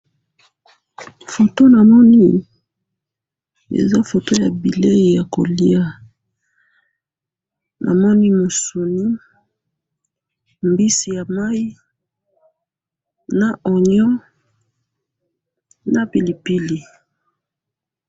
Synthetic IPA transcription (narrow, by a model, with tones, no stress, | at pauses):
fo˨to˦na˨mɔ˦ni˦ | ḛ˨za˦fo˨to˦ja˨bi˨le˦i˨ja˨ko˨li˦a˦ | nʔa̰˨mɔ˦ni˦mo˨su˨ni˦ | mbi˦si˨ja˨ma˦ji˦ | na˨ɔ˨ɲɔ̃˦ | na˨pi˨li˨pi˦li˨